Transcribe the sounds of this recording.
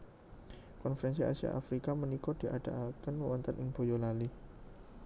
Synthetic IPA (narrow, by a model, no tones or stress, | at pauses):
kɔnfəɾɛns̬ia̰sia̰ʔafɾikamənikɔdiʔadaʔakanwəwɔnt̪anʔɪŋb̥o̤jolali